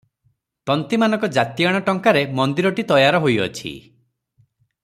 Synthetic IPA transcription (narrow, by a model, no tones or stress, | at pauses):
t̪ɔnt̪imanɔ̃ŋkɔd͡ʒat̪iaɽ̃ɔʈɔŋkaɾemɔnd̪iɾɔʈit̪ɔjaɾɔɦojɔ̰t͡ʃʰḭ